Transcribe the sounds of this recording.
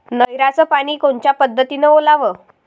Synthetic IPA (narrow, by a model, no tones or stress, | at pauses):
nəjɾat͡səpaɽ̃iːkoɳt͡ɕjapəd̪ʱːət̪inəolaʋə